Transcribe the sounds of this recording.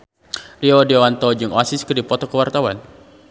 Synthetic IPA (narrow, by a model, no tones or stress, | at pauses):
liɔdiɔwant̪ɔd͡ʒɨŋɔasiskərdipɔt̪ɔkəwart̪awan